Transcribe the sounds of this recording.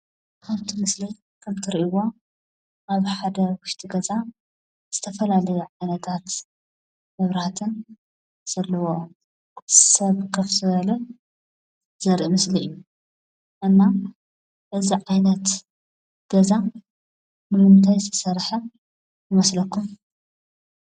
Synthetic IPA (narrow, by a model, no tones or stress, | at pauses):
kʰɐβt̪ʰimɨsli | kʰɐmt̪ʰɨɾiʔiwo | ʔaβħad̪ɐwʊʃt̪ʰiɡɐza | z̥ɨt̪ʰɐfɐlalɐjuʕajnɐt̪ʰat̪ | mɐβɾhat̪ʰɨn | z̥ɐlːɐwo | sɐβkʰɐfzɨβɐlɐ | z̥ɐɾʔimɨsliɨjːu | ʔɨnːa | ʔɨziʕajnɐt̪ | ɡ̥ɐza | mɨlunt̪ʰajt̪ʰɐ̥sɐɾħɐ | jɨmɐslɐkːum